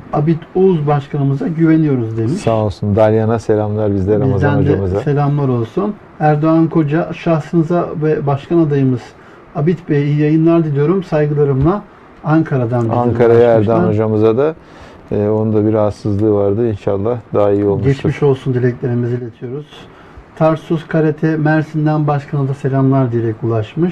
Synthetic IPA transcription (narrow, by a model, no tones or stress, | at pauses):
abit̪uzbaʃkʰanɯmɯzaɟyve̞nijo̞ɾuzd̪emisanolˠsund̪aɾjanaselʲamlˠaɾbizd̪ʲɛɾaizazd̪ænd͡ʒ̪amzase̞lʲamlˠaɾo̞lˠsun | æɾd̪oankʰo̞d͡ʒaʃaxsɯnɯzavɛbaʃkʰanad̪ajɯmɯz̥ | abit̪bejijajɯnlˠaɾd̪id̪ijo̞ɾumsajɡɯlˠaɾɯmlˠaː | ŋkʰaɾad̪and̪iaŋkʰaɾajaæɾd̪oanod͡ʒamɯzad̪aː | o̞nund̪abiɾasɯzlˠɯːvaɾd̪ɯinʃalˠːahd̪aaijio̞lˠmɟɛʃt͡ʃmiʃo̞lˠsund̪ilʲɛcʲlʲe̞ɾimizilʲet̪ʰijo̞ɾuz̥ | t̪ʰaɾsuzkʰaɾet̪ʰɛmæɾsind̪ænbaʃkʰanad̪ase̞lʲamlˠaɾd̪ijeɾɛkulˠaʃmɯʃ